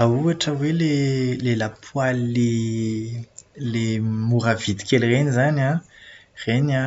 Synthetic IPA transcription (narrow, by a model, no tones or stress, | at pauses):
auaʈ͡ʂəwelelelapʰwalile | lemuɾav̥id̪i̥kʲelrenizana | rena